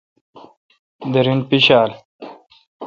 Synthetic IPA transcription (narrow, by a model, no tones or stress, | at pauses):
d̪ɐɾinpiɕaːl